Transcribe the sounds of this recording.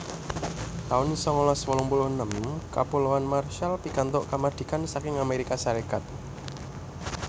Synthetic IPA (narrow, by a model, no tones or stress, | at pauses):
t̪aʊnsɔŋɔlɔswɔlɔmpulʊhnəmka̰pulowanmarʃalpikant̪ʊʔkamad̪̥i̤kansakɪŋameɾikaʃaɾekat̪̚